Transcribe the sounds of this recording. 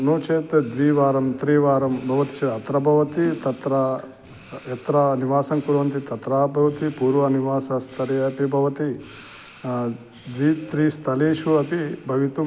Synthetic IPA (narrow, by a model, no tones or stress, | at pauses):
noːt͡ʃeːt̪d̪ʋiːʋaːɾɐmt̪ɾiːʋaːɾɐmbʱɐʋɐt̪i̥t͡ʃɐɐt̪ɾɐbʱɐʋɐt̪it̪ɐt̪ɾɐ | ɛt̪ɾɐniʋaːsɐmkuɾʋɐnt̪it̪ɐt̪ɾaːbʱɐʋɐt̪ipuːɾʋɐniʋaːsɐst̪ʰɐɾiɐpibʱɐʋɐt̪i | d̪ʋiːt̪ɾiːst̪ʰɐleːʃuɐpibʱɐʋit̪u